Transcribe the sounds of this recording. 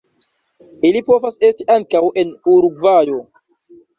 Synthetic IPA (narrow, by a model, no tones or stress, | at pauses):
ilipo̞vase̞stiʔaŋkawʔe̞nuɾuɡvajo̞